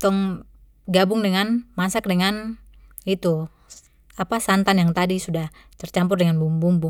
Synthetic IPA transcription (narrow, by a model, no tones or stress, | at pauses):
t̪ɔŋ | ɡabʊŋdəŋanmasak̚dəŋan | it̪u | apasant̪anjaŋt̪adisudah | t̪ərt͡ʃampʊrdɛŋanbumbumbu